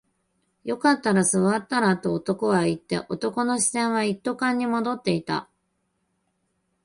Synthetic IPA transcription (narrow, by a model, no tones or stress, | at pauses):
jo̞kat̪ːaɾasɨβat̪ːaɾat̪ːo̞ːt̪o̞ko̞ɡait̪ːe̞̰ʔo̞t̪o̞ko̞no̞ɕi̥zẽ̞ɰ̃β̞ait̪ːo̞kãɲ̟ːimo̞d̪o̞t̪ːe̞it̪a̰